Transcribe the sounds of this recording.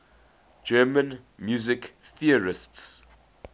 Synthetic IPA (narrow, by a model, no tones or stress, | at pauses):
d͡ʒɛmə̃nmjuzɪkθiəɹɪsts